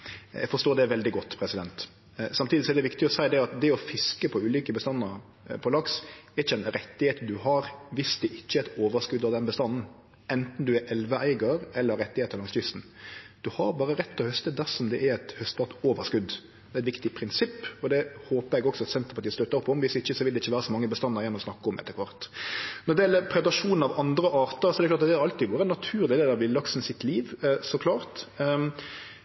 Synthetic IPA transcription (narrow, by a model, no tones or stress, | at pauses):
jæ̰ɡfɔʂt̪oːd̪ɛʋɛld̪ɪɡɔt̪ːpʰɾɛsɪd̪ɛnt̪ | sɑmt̪ʰiːd̪ɪsɔɛɾd̪ɛʋɪkt̪ɪɔsæɪd̪ɛɑt̪̚d̪ɛɔfɪskəpʰɔʉːliːkəbəst̪ɑnːə | pʰɔlɑksɛɾɪçəɛnɾɛt̪ːɪheːt̪d̪ʉhɑɾʋɪsd̪ɛʔɪçːəɛt̪oːʋəʂkʉd̪ɑʋd̪ɛnbəst̪ɑnn̩ | ɛnt̪n̩d̪ʉɛɾʔɛlʋəæɪɡəɾɛlːəɾɛt̪ːɪheːt̪əɾlɑŋst̪ʏst̪n̩ | d̪̥ʉhɑɾbɑːɾəɾɛt̪ʰːɔhœst̪əd̪æɾʂɔmd̪ɛʔɛɾɛt̪hœst̪ɑt̪oːʋəɾʂkʉd̪ː | d̪ɛːæɛt̪ʋɪkt̪ɪpʰɾɪnsɪpːɔd̪ɛhoːpəɾɛɡɔksɔɑt̪sɛnt̪ɾəpɑt̪iːst̪œt̪ːəɾɔpʰːɔɔmʋɪsɪçːəsɔʋɪld̪ɛɪçːəʋæːɾəsɔmɑŋːəbəst̪ɑnːɑɾjɛnːɔmɔsnɑkːəɔmɛ̰t̪ːəkʰʋɑʁt̪nɔd̪ɛɪɛlːəɾpʰɾɛd̪ɑʂuːnn̩ɑʋɑnd̪ɾəʔɑːɾt̪əɾsɔɛd̪ɾɛklɑːt̪ɑt̪ːɛɾɑlt̪iːɡoːɾɛnːɑt̪ʰʉːɾd̪ɛleːd̪əɾʋɪlːɑksnsɪt̪liːʋsɔkʰlɑːɾt̪